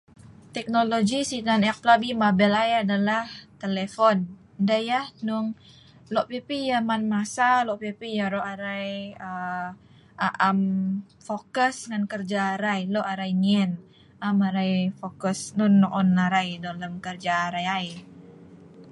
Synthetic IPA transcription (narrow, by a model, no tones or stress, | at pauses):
t̪ɛk̚noloɡisinanɛk̚plabimabɛlajadalaht̪elefɔn | ndajahnʊŋ | lɔʔpipijamanmasalɔʔpipijaɾoʔaɾajə | ʔaʔam | fokəsŋankərd͡ʒaːɾajloʔaɾajŋɛn | amaɾajfokəsnʊnːɔŋɔnlaɾajdoləmkərd͡ʒaːɾajaj